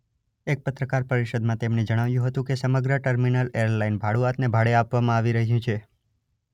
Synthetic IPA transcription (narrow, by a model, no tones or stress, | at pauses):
ek̚pət̪ɾəkaɾpəɾiʃəd̪mãt̪emned͡ʒəɽ̃aʋjũɦət̪ũkesəməɡɾəʈəɾminəleɾlainbʱaɽuat̪nebʱaɽeapʋamãaʋiɾəɦjũt͡ʃʰe